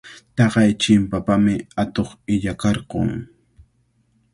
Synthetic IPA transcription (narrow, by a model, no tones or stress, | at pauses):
t̪ɑqɑjt͡ʃɪmpapamɪat̪oχɪʎakɑɾqo̰ŋ